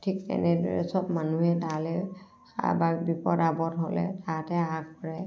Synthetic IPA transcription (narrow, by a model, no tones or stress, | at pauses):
tʰik̚tɛ̰nɛdɔ̰ɹɛ̰sɔbmanuɦɛdalɛ | sa̰bakbipɔɾabɔtɦolɛ̰tatɛakpɔɹɛ